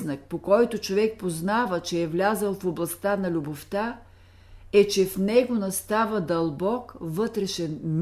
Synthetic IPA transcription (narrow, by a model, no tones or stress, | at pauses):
nɐk̚pokɔjt̪ʊt͡ʃovɛk̚poznavət͡ʃɛːvlʲazəlˠfoblˠɐst̪anɐlʲuboft̪a | ɛt͡ʃɛfnɛɡonɐst̪avəd̪ɐlˠbɔkvɤt̪ɾɛʃɛnm